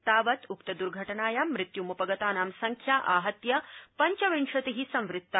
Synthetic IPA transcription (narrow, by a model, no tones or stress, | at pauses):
t̪aːʋɐt̪ukt̪ɐd̪uɾɡʱɐʈɐnaːjaːmɾit̪jumupɐɡɐt̪aːnaːmsɐŋkʰjaːʔaːɦɐt̪jɐpɐɲt͡ʃɐʋiɳʂɐt̪iɦisɐ̃mʋɾɪt̪ːɐ